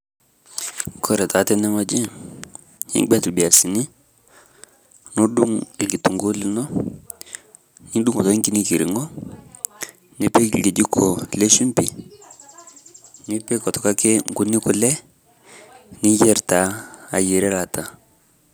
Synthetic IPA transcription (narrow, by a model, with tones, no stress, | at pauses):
kʰɔ˦ɾɛ˨ta˨tɛ˦nɛ˦mɔ˦d͡ʒi˦ | ɲḭ˦ŋ˦ɡ͡bɛ˦tlbi˨a˨si˨ni˦ | no˦ɗu˦ŋe˨ɡi˨tu˨ŋɡu˦li˦nɔ˦ | ɲi˦ɗu˦ŋɔ˨tɔ˦i˦ŋki˦ni˦ki˨ɾi˨ŋɔ˦ | ni˦pe˦˨ɡe˨d͡ʒi˦kʰo˨le˦ʃu˦mpi˨ | ni˦pe˦kɔ˨tɔ˨ka˦ke˦ŋ˨ɡu˨ni˦ku˨lɛ˦ | ni˦jɛ˦ɾta˨˦a˨je˨ɾɛ˦la˨ta˨